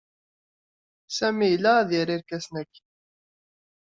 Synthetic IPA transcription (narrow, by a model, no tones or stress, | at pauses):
sæmijlːææðjiɾiɾkæsnækː